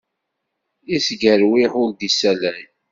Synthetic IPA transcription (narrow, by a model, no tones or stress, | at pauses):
isɡəɾwiħʊld̪isælæj